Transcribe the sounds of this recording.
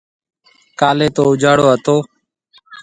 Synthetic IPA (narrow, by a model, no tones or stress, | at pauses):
kaːleːt̪oːʊd͡ʒʱaːɽoːɦət̪oː